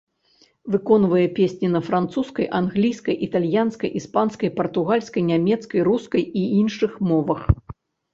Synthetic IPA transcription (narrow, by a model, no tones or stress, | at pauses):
vɨkɔnvɐjɛpʲesʲnʲinɐfɾant̪suskɐjʔanɣlʲijskɐjʔit̪alʲjanskɐ̰jʔispanskɐjpɐrt̪uɣalʲskɐjnʲamʲɛt̪skɐjruskɐjiinʂɨxmɔvɐx